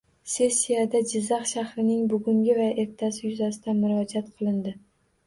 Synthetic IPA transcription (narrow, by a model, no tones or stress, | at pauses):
se̞sːijad̪ad͡ʒɪzːɑχʃahɾɪnɪŋbʊɡʊŋɡʲɪvaʔe̞ɾt̪ʰasɪjʊzasɪd̪anmʊɾɒd͡ʒat̪qʰɨlˠɪnd̪ɪ